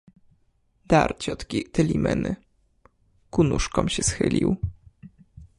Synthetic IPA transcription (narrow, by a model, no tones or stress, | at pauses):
d̪aɾt͡ɕɔt̪kʲit̪ɛlʲimɛnɘ | kunuʂkɔ̃mɕɛsxɘlʲiw